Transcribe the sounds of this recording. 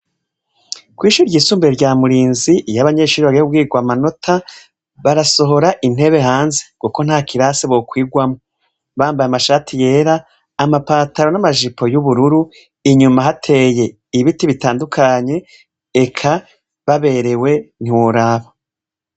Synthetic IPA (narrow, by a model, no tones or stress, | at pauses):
kwiːʃuɾɟiːsuːmbeɾɟaːmuɾiːnzijaβaɲe̞ːʃuːɾβaɾehub̚ɡiːɡwamano̞tʰa | βaɾaso̞ɦo̞ɾaʔin̥e̞βe̞ɦaːnze̞̥kuko̞n̥haːkiɾaseβo̞kwiːɡwamo | βaːmbajamaʃaːtʰije̞ːɾaː | mapaːtaɾo̞namaʒipʰo̞juβuɾuɾu | iɲumaɦatʰe̞je̞ | iβitiβitaːndukʰaɲe̞ | ekʰa | βaβe̞ɾe̞we̞n̥iwoɾaːβa